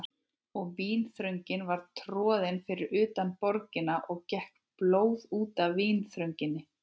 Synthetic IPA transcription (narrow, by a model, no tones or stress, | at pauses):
ɔɣviːnθɾœɥɲcɪnvaɾ̥t̪ʰɾɔːðɪnfɪɾɪɾʏːt̪anpɔɾcɪnaʔɔɣcɛhk | ploːwðuːt̪avːiːnθɾœɥɲcɪnːɪ